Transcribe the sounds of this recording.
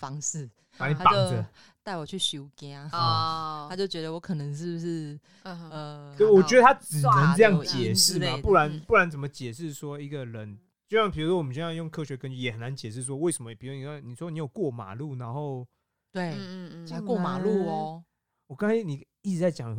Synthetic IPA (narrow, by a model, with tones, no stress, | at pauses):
fɑ˦ŋsɻ̩˥˩ | pa˨˦ni˨˩˥pa˨˥ŋd͡zə˦ | t̪a˥˩ɪwɔ˨˩t͡ɕʰy˥˩ɕjo˧˥ʊkja˥a˥t͡ɕjo˥˩ʊt͡ɕɥɛ˧˦d̪ə˧wɔ˧˥kʰɤ˨nə˧˦ŋʂ̬ɻ̩˥˩bʂɻ̩˥˩ | ə˩˥˩wɔ˨˩ɥɛ˧˥d̪ə˧t̪ʰa˥t͡sɻ̩˨˩nə˨˦ŋɤ˥˧jɑ˥˩ŋt͡ɕjɛ˨˩ʂɻ̩˥˨ma˨pu˥˩la˧˦npu˥˩la˧˦nt͡sə˨˩mə˦t͡ɕjɛ˨˩ʂ̬ɻ̩˥˩swɔ˦˥i˧˥ɡə˨ɻə˨˦n | t͡ɕjo˥˧ʊɕjɑ˥˩ŋpʰu˧˥˩ʂwɔ˥wmə˦t͡ɕo˥˧jjo˥˩ŋkʰɤ˥ɕɥɛ˧˥kə˦nt͡ɕy˥˨jɛ˨˦˩xə˨˩na˧˦nt͡ɕɛ˨˩ʂ̬ɻ̩˥˩s̬wɔ˦we˥˩ɪʂə˧˦mə˦˨pʰi˨˦u˥˦ni˨˩˦ni˨˩swɔ˥˧ni˧˥jo˨˩ʊkwɔ˥˩ma̰˨˩lu˥˩na˧˦nxo˥˨˩ʊ | t̪we˥˩ɪ˥˦kwɔ˥˩ma˨˩lu˥˩˨ | wɔ˨ka˥ŋkʰa˥ni˨˩ | i˥˩ʈ͡ʂɻ̩˧˥t͡sa˥˩ɪt͡ɕjɑ˨˩ŋ